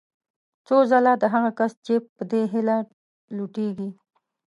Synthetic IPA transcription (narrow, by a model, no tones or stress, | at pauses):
t͡sozalad̪əɦaɣakast͡ʃepəd̪eɦɪla | luʈeɡi